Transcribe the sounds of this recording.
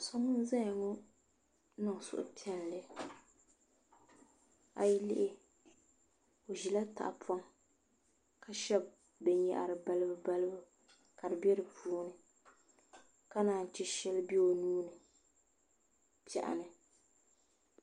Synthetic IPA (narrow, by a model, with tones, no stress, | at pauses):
sɔ˦mɨ˦n˦zã˦˨ŋɔ˦ | nɨ˨ŋ˨sʊ̰˨ʔʊ̰˨tʰɛ˦n˨lɨ˦ | a̰˨ji˦lɪ˦ʔɪ˦ | o˨ʒi˨la˦ta̰˨ʔa˨pʰa˦ŋ | ka˦ʃɛ˦b̚ | bɛ˨ɲja̰˨ʔa˨ɾɨ˨ba˦lɨ˦bɨ˦ba˦lɨ˦bɨ˦ | ka˨dɨ˨bɛ˦ɾɨ˨puː˦nɨ˨ | ka˦naː˨n˨t͡ʃɛ˦ʃɛ˦lɨ˦bi˦o˨nuː˦nɨ˨ | pɛ̰˨ʔa̰˨nɨ˨